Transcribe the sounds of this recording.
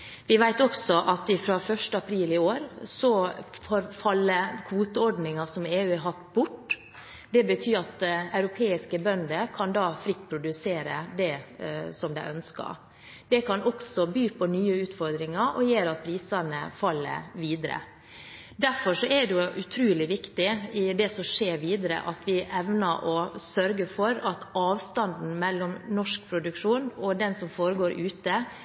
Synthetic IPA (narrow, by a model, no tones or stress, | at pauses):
ʋɪʋæɪt̪ɔksɔʔɑt̪ɪfɾofœʂʈəɑpʰɾiːlɪoːɾsɔfoːɾfɑlːəkʰʋuːt̪əɔɖnɪŋɑsɔmeːʉːɛɦɑt̪ːbʊʈː | d̪ɛbət̪ʰyːɾɑt̪ɑʉɾʊpʰeːɪskəbœnd̪əkʰɑnd̪ɑːfɾɪt̪̚ːpʰɾʊd̪ʉseːɾə̰d̪ɛsɔmd̪æɪʔœnskɑ̰ɾ | d̪ɛkʰɑnʔɔksɔbyːpʰɔnyːəʉːt̪fɔɾd̪ɾɪŋɑɾʔɔ̰jeːɾɑt̪̚pʰɾiːsɑnə̰fɑlːə̰ʋiːd̪əɾə̰ | d̪æɾfɔʂɔɛd̪ɛjʊʔʉt̪ʰɾʉːlɪʋɪkt̪ɪɪd̪ɛsɔmʂeːɾʋiːd̪əɾə̰ʔɑt̪ʰʋɪʔɛʋnəɾʔɔsœɾɡəfɔɾɑt̪ɑːʋst̪ɑnd̪n̩mɛlːɔmnɔʂkpʰɾʊd̪ʉkʂuːnɔd̪ɛnsɔmfoːɾəɡoːɾʔʉːt̪ə